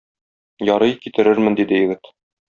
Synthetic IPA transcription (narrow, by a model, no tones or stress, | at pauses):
jɒɾɤjkit̪ɘ̆ɾɘɾmɘnd̪id̪ɘjɘ̆ɡɘt̪